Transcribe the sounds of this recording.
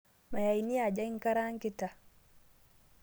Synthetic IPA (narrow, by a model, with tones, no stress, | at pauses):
ma˨ja˨jni˦a˨d͡ʒa˦ŋka˦ɾa˦ŋki˦ta˨